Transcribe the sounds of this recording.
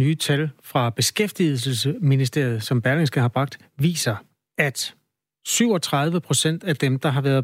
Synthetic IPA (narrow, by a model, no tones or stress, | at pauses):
nyːt͡sʰælfʁɑ̈b̥e̝sɡ̥efd̥ið̩səl̩səminisd̥e̝̰ɐ̰ð̞̩ˠsɒ̽mb̥æɐleŋsɡ̥əɦɑ̈b̥ʁɑ̈ɡ̥̚d̥ | ʋḭːsɐ | æd̥ | syʊ̰ɒ̽t͡sʰʁɑ̈ð̞ˠʋəpʰʁo̝sen̰d̥æd̥emd̥ɑ̈ɦɑ̈ʋæɐðˠ